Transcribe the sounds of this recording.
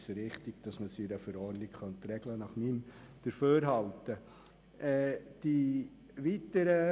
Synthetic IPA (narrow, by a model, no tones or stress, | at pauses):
səɾɪχtiɡd̥ɑsməsyɾəfəɾɔɾdnɪkχœnt̪ɾɛɡlənɑχmim | d̥əɾføːɾɦɑltə | ɛːd̥i | ʋit̪əɾə